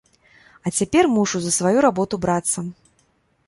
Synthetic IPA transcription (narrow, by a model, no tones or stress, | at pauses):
ɐt͡sʲapʲɛrmuʂuzɐsvajuɾabɔt̪ubɾat̪sːɐ